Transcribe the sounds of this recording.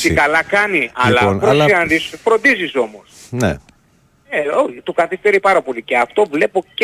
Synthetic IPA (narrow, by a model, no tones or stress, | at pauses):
t̪ikɐlɐkɐniʔɐlɐpɾosiɐnd̪isfɾo̞nd̪iziso̞mo̞snḛ | eoçit̪okɐθist̪e̞ɾipɐɾɐpo̞liceɐft̪o̞vle̞po̞ce